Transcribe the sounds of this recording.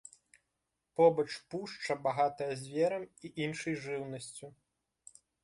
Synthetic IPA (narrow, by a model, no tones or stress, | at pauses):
pɔbɐt͡ʂpuʂt͡ʂɐbaɣat̪ɐjɐzʲvʲɛɾɐmiʔinʂɨjʐɨwnɐsʲt͡sʲu